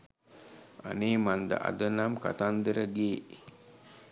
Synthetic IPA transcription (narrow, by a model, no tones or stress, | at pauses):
a̰nemand̪ə̰ʔa̰d̪ənamka̰t̪and̪əɾəɡeː